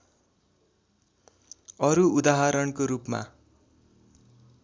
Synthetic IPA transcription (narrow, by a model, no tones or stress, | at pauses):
ʌɾuud̪aɦaɾʌnkoɾupma̰